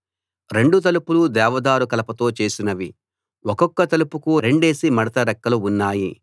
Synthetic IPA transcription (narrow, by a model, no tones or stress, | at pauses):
ɾe̞ɳɖut̪̬ɐlupulud̪ɛːʋɐd̪aːɾukɐlɐpɐt̪o̞ːt͡ʃe̞ːsinɐʋi | wɔkɔkːɐt̪ɐlupukuɾe̞ɳɖe̞ːsimɐɽɐt̪ɐɾɛkːɐluunːaːji